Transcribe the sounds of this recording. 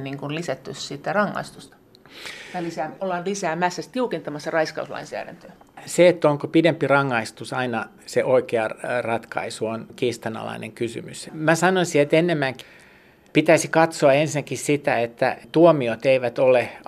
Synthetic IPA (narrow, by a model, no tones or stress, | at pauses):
niŋkunlisæt̪ːyssit̪ːærɑŋːɑ̰ist̪ust̪ɑ̥ | jɑlisæːolːɑnlisæːmæsːæst̪iukent̪ɑmɑsːɑrɑiskɑ̰uslɑ̰insæ̰ːɾæ̰nt̪øseet̪ːoŋkopidempirɑŋːɑist̪usɑinɑ | seʔoikeɑrɑt̪kɑ̰isuonkiːst̪ɑnɑ̰lɑ̰inḛŋkysy̰mysmæsɑnonsiet̪enːemːæŋk | pit̪æisikɑt̪soɑensinækissit̪æet̪ːæ̰t̪uomiot̪eiʋæt̪ole